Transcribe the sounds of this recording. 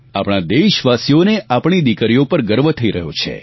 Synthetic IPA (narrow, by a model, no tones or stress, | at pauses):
apɽ̃ad̪eʃʋasijoneapɳ̃id̪ikəɾijopəɾɡəɾʋət̪ʰəiɾəɦjot͡ʃʰḛ